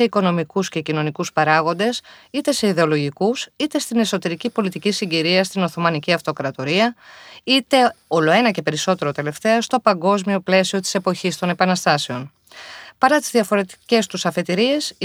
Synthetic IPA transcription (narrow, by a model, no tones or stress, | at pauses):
e̞iko̞no̞mikusce̞cino̞nikuspɐɾɐɣo̞nd̪e̞sit̪e̞se̞iðe̞o̞lo̞ʝikusit̪e̞st̪ine̞so̞t̪e̞ɾicipo̞lit̪icisiɲɟiɾiɐst̪ino̞θo̞mɐniciɐft̪o̞kɾɐt̪o̞ɾiɐit̪e̞o̞lo̞e̞nɐce̞pe̞ɾiso̞t̪e̞ɾo̞t̪e̞le̞ft̪e̞ɐst̪o̞pɐŋɡo̞zmio̞ple̞sio̞t̪i̥se̞poçist̪o̞ne̞pɐnɐst̪ɐse̞o̞n | pɐɾɐt̪izðiɐfo̞ɾe̞t̪i̥ce̞st̪usɐfe̞t̪iɾie̞s